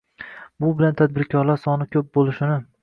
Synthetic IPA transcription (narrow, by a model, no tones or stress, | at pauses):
bʊbɪlant̪ʰad̪̚bɪɾkʲʰɒɾlaɾsɒnɪkʲʰɵp̚bolˠɪʃɪnɪ